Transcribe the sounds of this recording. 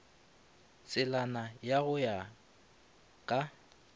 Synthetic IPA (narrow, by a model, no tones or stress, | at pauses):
sʼɪlanajaɣʊja | kʼa